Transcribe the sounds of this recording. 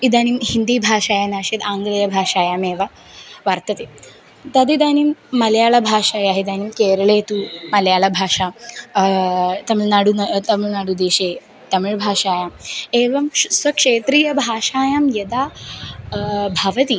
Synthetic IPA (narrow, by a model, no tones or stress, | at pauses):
id̪aːnimhind̪iːbʱaːʂaːjanaːʂeːt̪aːŋɡlɐjɐbʱaːʂaːjaːmeːʋɐ | ʋɐɾt̪ɐt̪eː | t̪ɐd̪id̪aːnimːɐljaːɭɐbʱaːʂaːjaːɦid̪aːnimkeːɾɐɭeːt̪umɐljaːɭɐbʱaːʂaː | t̪ɐmnaɽunt̪ɐmiɭnaːɽud̪eːʃeː | t̪ɐmiɭbʱaːʂaːjaːmeːʋɐmsʋɐkʂeːt̪ɾijɐbʱaːʂaːjaːmjɐd̪aː | bʱɐʋɐt̪i